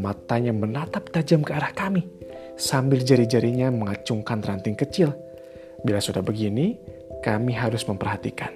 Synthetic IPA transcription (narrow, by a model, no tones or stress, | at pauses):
mat̪aɲamənat̪ap̚t̪ad͡ʒamkəaɾahkami | sambɪld͡ʒaɾid͡ʒaɾiɲaməŋat͡ʃʊŋkant̪ɾant̪ɪŋkət͡ʃɪl | bilasudahbəɡini | kamiɦaɾʊsməmpərhat̪ikan